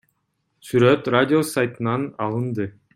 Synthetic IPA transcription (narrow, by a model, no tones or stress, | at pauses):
syɾøt̪radʲɪo̞sajt̪ɯnɑnɑlˠɯnd̪ɯ